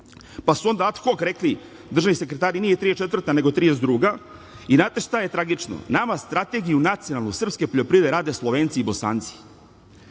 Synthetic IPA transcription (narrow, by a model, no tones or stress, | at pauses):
pasuo̞nd̪aat̪xokɾekli | d̪r̩ʒavnise̞kɾet̪aːɾinijet̪ɾijet͡ʃet̪vr̩t̪ane̞ɡo̞t̪ɾiezd̪ɾuːɡa | inaːt̪eʃt̪ajet̪ɾaɡit͡ʃno̰namast̪ɾat̪e̞ɡijunat̪sijo̞nalnusr̩pske̞poʎʲopɾiːd̪eɾaːd̪e̞slˠoʋeːnt̪siːbo̞sa̰ːnt̪si̥